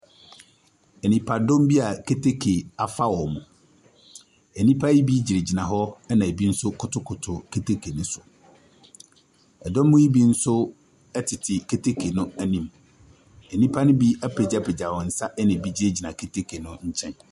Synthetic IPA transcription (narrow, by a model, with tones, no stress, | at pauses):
ɛ˨nĩ˨pʰa˨dõ˦m˦bi˦a˨kʰe˦tʰe˦kʰe˨a˨fa˦wɔ˨mʊ̃˨ | ɛ˨nĩ˦pʰa˦ji˦bi˦d͡ʑi˨ɾe˨d͡ʑi˨nã˨ɦɔ˦ɛ˦nã˨e˨bi˦n̩˦sʊ˦kʰʊ˨tʰʊ˦kʰʊ˨tʰʊ˨kʰe˦tʰe˦kʰe˨nʊ̃˦sʊ̥˨ | ɛ˨dɔ˦mʊ̃˦ji˦bi˦n̩˦sʊ˦ | ɛ˦tʰɪ˨tʰɪ˨ke˦tʰe˦kʰe˨nʊ̃˦æ˦nĩ˦m | ɛ˨nĩ˦pʰa˦nʊ̃˦bi˦a˦pʰe˨d͡ʑa˦pɛ˨d͡ʑa˨wɔ˨n̩˨˦sa˦ʔɛ˦nɪ̃˨bi˦d͡ʑi˦ɾe˦˨d͡ʑi˨nã˨kʰe˦tʰe˦kʰe˨nʊ̃˦ɲ̩˦t͡ɕʰɛ̃˦n